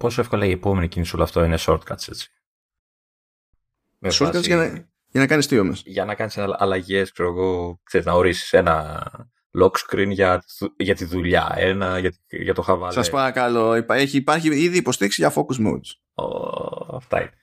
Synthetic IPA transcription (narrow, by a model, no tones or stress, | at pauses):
po̞soefko̞lɐie̞po̞menicinisulɐft̪oineso̞ɾt̪̚kɐt̪se̞t͡si̥ | mesoɾkɐzɐnɐ | ʝɐnɐkɐnist̪iomesʝɐnɐkɐnislɐ̰lɐʝe̞skseɾoɣo̞kseznɐoɾisi̥se̞nɐ | lo̞kskɾinʝɐuʝɐt̪iðuʎɐ̰enɐʝɐt̪iʝɐt̪o̞xɐvɐlsɐspɐɾɐkɐlo̞ipeçipɐɾçiiðiːpo̞st̪iɾiksiʝɐfo̞kuzmo̰d̪s | o̰ɐft̪ɐ̰ḭne